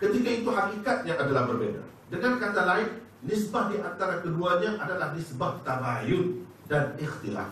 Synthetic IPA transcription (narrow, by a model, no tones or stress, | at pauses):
kət̪ikait̪uɦakikat̪̚ɲãʔadalahbərbeda̰ | dəŋankat̪alaɪn | lɪsbahdiʔant̪aɾakəduaɲaʔadalahlɪsbaht̪abajʊn | danɪxt̪ila̰